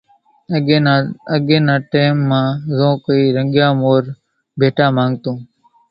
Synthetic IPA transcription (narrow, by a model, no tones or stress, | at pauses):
əɠẽːnãːʈeːmːãːzõːkoiːɾəŋɠjãːmoːɾ | bʱeːʈaːmãːŋɡt̪õː